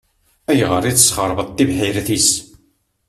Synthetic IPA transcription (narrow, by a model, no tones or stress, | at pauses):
æjʁəɾˤiθsχəɾˤvət̪ːivħiɾθis